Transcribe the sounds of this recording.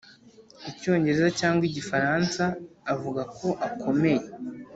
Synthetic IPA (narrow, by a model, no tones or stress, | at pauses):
ico̞ːɲɟe̞ɾe̞zacaːŋɡwiɟifaɾansaːvuɡakʰo̞ʔakʰo̞me̞je